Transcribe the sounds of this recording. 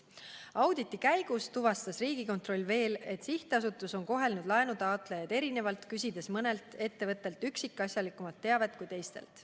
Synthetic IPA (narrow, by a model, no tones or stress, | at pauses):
ɑwd̪it̪ːˑikæjɡ̥ust̪uvɑst̪ɑsriːɡ̥iko̞nt̪ro̞lʲːve̞ːle̞t̪siht̪eɑsut̪ːˑuso̞nko̞ɦe̞lnud̪lɑenut̪ɑːt̪ˑlejɑd̪e̞ɾine̞vɑlt̪kysʲid̪e̞smɤne̞lt̪e̞t̪ːe̞vɤt̪ˑːe̞lt̪ˑyksikːˑɑsjɑlikːˑumɑt̪ːe̞ɑve̞t̪̚kujt̪e̞jst̪e̞̰lt̪